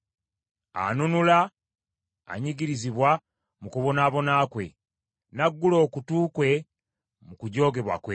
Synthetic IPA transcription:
a̰nunula̰ː | ɲiɟiɾiziβwa | mukuβo̞naːβo̞naːkwe̞̰ | naɡːulo̞ːkutuːkwe̞ | mukuɟo̞ːɡe̞βwa̰kwe

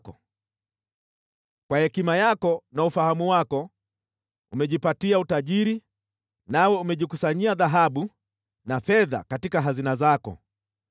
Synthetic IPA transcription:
kɔ | kwahɛkimajakɔnaufahamuwakɔ | umɛʄipatiautaʄiɾi | nawɛumɛʄikusaɲiaðaɦaɓu | nafɛða̰katikaɦazinazakɔ̰

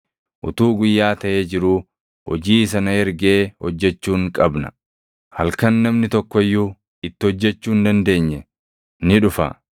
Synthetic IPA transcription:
ʔʊ̰t̪uːɡʊjːaːt̪ɐʔe̞ːd͡ʒɪɾuː | hɔ̰d͡ʒiːs̬ɐnɐhɛɾɡe̞ːhɔd͡ʒːɛt͡ʃːuːŋkʼɐbnɐ̥̰ | hɐlkɐnːɐmnɪt̪ɔkːɔjːuː | ɪt̪ːɪhɔd͡ʒːɛt͡ʃːuːnd̪ɐnd̪e̞ːɲːɛ | nɪᶑʊfa̰ː

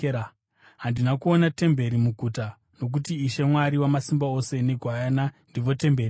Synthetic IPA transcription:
ɦandinakuonate̞mbe̞ɾimuɡʱuta | no̞k̬utiːʃe̞mwaɾiwamasimbao̞se̞ne̞ɡʱwajanandiʋo̞te̞mbe̞ri

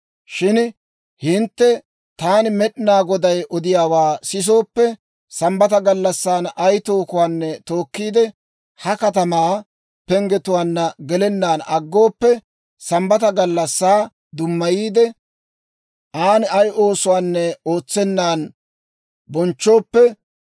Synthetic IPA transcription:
ʃɪn | hɪnt̪ːɛ | t̪aːnmɛɗɪnaːɡɔd̪ɐjʔɔd̪ɪjaːwaːsɪs̬o̞ːpːɛ | sɐmbɐt̪ɐɡɐlːɐsːaːnɐjt̪o̞ːkʊwaːnːɛt̪oːkːiːd̪ɛ | hɐkɐt̪ɐmaː | pɛŋɡɛt̪ʊwaːnːɐɡɛlɛnːaːnɐɡːo̞ːpːɛ | sɐmbɐt̪ɐɡɐlːɐsːaː | d̪ʊmːɐjiːd̪ɛ | ʔaːnɪɐjʔo̞ːsʊwaːnːɛo̞ːt͡sːɛnːaːn | bɔnt͡ʃːo̞ːpːɛ

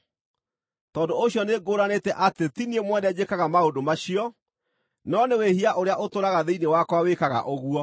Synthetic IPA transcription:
tɔːdooɕjɔneɡoɾanetɛʔatetiniemwɛnɛd͡ʑekaɣamaodomaɕiɔ | nɔnewehiaʔoɾeaʔotoɾaɣaðeinewakwawekaɣa̰ʔoɣuɔ

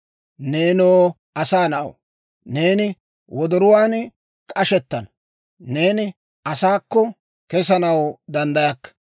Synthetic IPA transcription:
ne̞ːnoː | ɐsaːnɐɐ̰w | ne̞ːnɪ | wɔd̪ɔɾʊwaːn | kʼɐʃɛt̪ːɐn | ne̞ːnɪ | ɐsaːkːɔ | kɛs̬ɐnɐwd̪ɐnd̪ɐjɐkːɐ̥

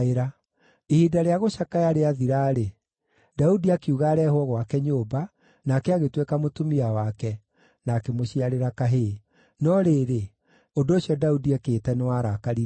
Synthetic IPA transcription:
eɾa | ehiːdaɾeaɣoɕakajaɾeaðiɾaːɾe | daudiakiuɣaɾɛhwɔɣwakɛɲoːba | nakɛaɣetwekamotomiawakɛ | nakemoɕiaɾeɾakaɦe | nɔɾeːɾe | ondoːɕjɔdaudiakeːtɛnewaɾakaɾiɾ

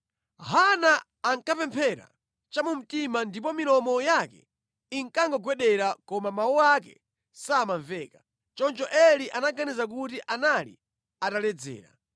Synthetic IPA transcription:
ɦanaː | ŋkapɛmpʰɛɾa̰ | t͡ʃamum̩timandip̬ɔmilɔmɔjakɛ̰ | iŋkaŋɡɔɡwɛɗɛɾakɔmamawɔakɛ̰ | saːmaɱvɛːka | t͡ʃɔnt͡ʃɔʔɛliʔanaɡanizak̬ut̬iʔanalḭ | atalɛd͡zɛ̰ːɾa̰

